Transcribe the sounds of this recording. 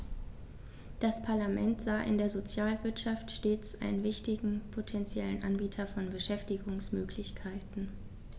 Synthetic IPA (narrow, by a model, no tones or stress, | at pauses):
d̥aspʰaɐlamɛntz̥aːʔɪ̰ndeːɐzot͡sjaːlvɪɐtʃaftʃteːt͡sʔa̰ɪnənvɪçtɪɡŋ̩pʰotʰɛnt͡sjɛlənʔanbiːtʰɐfɔnbəʃɛftɪɡʊŋsmøːkʰlɪçkʰaɪtn̩